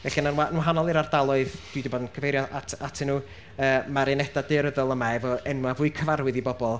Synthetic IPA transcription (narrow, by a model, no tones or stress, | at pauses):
vɛɬinanwanwaɦanɔlˠɪɾardalˠʊɨðd̥widibɔːdənkʰəvejɾjɔatʰatʰɪnuː | əːmaɾɪnɛdadɪɾəðɔlˠəmaɛvɔɛnwavʊːɨkʰəvarwɪðibɔbɔlˠ